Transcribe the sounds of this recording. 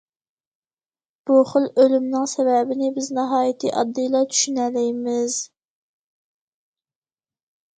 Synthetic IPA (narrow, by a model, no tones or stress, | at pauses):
b̥uχəlˠølymnɪŋsɛvɛbɪnɪbɪznɑɦɑːjit̪ʰɨʔɑ̰d̪ːɨjlˠɑt̪ʰy̥ʃynɛlɛjmɪz